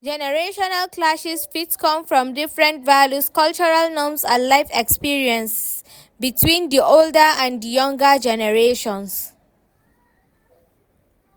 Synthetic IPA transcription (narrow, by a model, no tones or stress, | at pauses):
d͡ʒɛnəɹeʃɔnalklasisfitskɔ̃mfɹɔ̃mdifɹɛ̃ntvaljuskalt͡ʃɔɹalnɔ̃msalaɪfekspiɹiə̃ns | bitwĩnd̪iʔoldəãndijʌ̃ŋɡəd͡ʒɛnəɹeʃɔ̃ns